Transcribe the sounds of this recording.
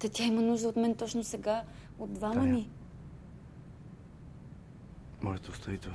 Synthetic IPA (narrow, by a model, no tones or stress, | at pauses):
t̪ɐt̪ʲaimənuʒd̪əot̪mɛnt̪ɔt͡ʃnosɛɡa | od̪ːvamɐni | mɔʒɛt̪ost̪oit̪